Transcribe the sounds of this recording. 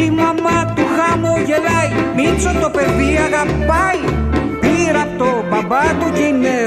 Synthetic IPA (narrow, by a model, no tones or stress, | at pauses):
imamat̪uxamojelajminsot̪opeðiaɣapaj | biɾat̪obabanukinːe